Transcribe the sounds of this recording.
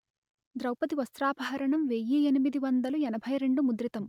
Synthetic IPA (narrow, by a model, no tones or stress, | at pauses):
d̪ɾɐwpɐt̪iʋɐst̪ɾaːbʱaːɐɾɐɳɐmʋejːienimid̪iʋɐnd̪ɐluɛnɐbʱɐjɾe̞ɳɖumud̪ɾit̪ɐm